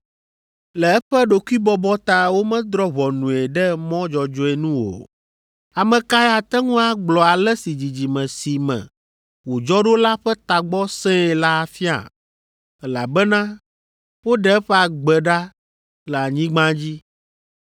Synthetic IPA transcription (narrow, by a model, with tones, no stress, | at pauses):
lɛ˨ɛ˦ɸɛ˦ɖo˨ku˦i˦bɔ˦bɔ˦t̪a˦˨wo˦mɛ̃˦d̪ɾɔ˦βɔ˨nũ˨e˨ɖɛ˦mɔ̃˦d͡ʒɔ˨d͡ʒɔ˦ɛ˨nũ˦wo̰˨ | a˨mɛ̃˨ka˦ɛ˦a˨t̪ɛ˦ŋũ˦a˦ɡ͡blɔ˨a˨lɛ˦si˨d͡ʑi˨d͡ʑi˨mɛ̃˨si˨mɛ̰̃˨ | wo˨d͡ʒɔ˦ɖo˦la˦ɸɛ˦t̪a˨ɡ͡bɔ˦sɛ̃˦ɛ˨la˦˨fi˦a̰˨ | ɛ˦la˨bɛ˦nã˦ | wo˦ɖɛ˦ɛ˦ɸɛ˦a˨ɡ͡bɛ˨ɖa˦ | lɛ˨a˨ɲĩ˦ɡ͡bã˦d͡ʑi˦